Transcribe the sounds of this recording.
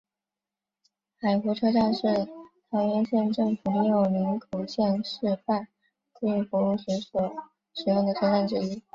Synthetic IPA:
xa˨˩ɪxu˧˥ʈ͡ʂʰɤ˥ʈ͡ʂa˥˧nʂɻ̩˥˩t̪ʰɑ˧˥ʊɥɛ˧˥nɕjɛ˥˧nʈ͡ʂɤ˥˩ŋfu˨˩ni˧˥jo˨˩ʊli˧˥ŋkʰo˨˩ʊɕjɛ˥˧nʂɻ̩˥˧fa˥˩n | kə˥ŋy˧˩pɔ˧˥lu˥˩ɕɛ˧˥nsɔ˨˥ | ʂɻ̩˨˩jo˥˩ŋd̪ə˩ʈ͡ʂʰɤ˥˧ʈ͡ʂa˥˩nʈ͡ʂɻ̩˥i˥

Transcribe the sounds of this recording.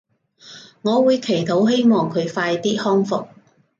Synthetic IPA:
ŋɔː˨˧wuː˨˧jkʰe˨˩jt̪ʰo˨˥wɦe˥jmɔː˨ŋkʰɵ˨˧ɥfaː˧jt̪iː˥hɔː˥ŋfʊ˨k̚

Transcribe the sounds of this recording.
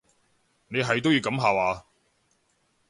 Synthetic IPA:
ne˨˧jɦɐ˨˩jt̪o˥wjiː˧wkɐ˨˥mɦaː˨˩waː˨˧

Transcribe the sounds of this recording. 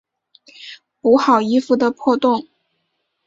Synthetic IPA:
u˧˥xɑ˨˩ʊi˥fu˧˩d̪ə˨pʰwɔ˥˧t̪ʊ˥˩ŋ

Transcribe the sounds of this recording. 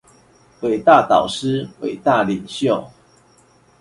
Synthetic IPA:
we˨˩ɪt̪a˥˨t̪ɑ˨˩ʊʂ̩˦we˨˩ɪt̪a˥˨li˨˩ŋɕjo˥˨ʊ

